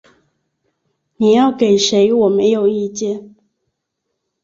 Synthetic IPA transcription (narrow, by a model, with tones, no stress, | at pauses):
ni˨˩jɑ˥˨ʊke˨˩ɪʂe˧˦ɪwɔ˨˩me˨˧˦ɪjo˨˩ʊi˥˧t͡ɕjɛ˥˨n